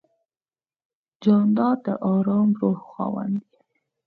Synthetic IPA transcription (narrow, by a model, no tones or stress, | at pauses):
d͡ʒɑnd̪ɑd̪əʔɑɾɑmɾohxɑ̰wa̰nd̪i